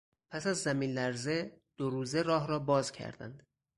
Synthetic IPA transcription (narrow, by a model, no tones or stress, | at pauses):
pʰæsæzːæmiːnlæɾzed̪̥oɾuːzeɾɒːɦɾɒːbɒːzcʰæ̰ɾd̪æ̰nd̪̥